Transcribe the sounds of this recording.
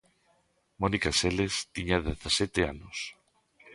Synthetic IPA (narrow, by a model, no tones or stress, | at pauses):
monikaselest̪iɲaðeθasɛt̪eanos